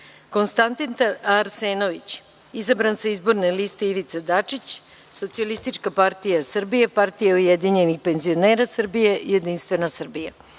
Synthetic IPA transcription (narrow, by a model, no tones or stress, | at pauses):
ko̞nst̪ant̪int̪aɾseːno̞ʋit͡ɕ | izabɾansaizbo̞ɾnelist̪eiʋit̪sad̪at͡ʂit͡ɕ | so̞t̪sialist̪it͡ʂkapaɾt̪ijasr̩bijepaɾt̪ijaujed̪iɲe̞nixpe̞nzio̞neːɾasr̩bije̞jed̪inst̪ʋe̞nasr̩bija